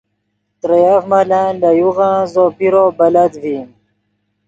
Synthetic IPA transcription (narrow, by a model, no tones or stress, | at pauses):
t̪ɾejafmalãlajuɣãzopiɾobalad̪vim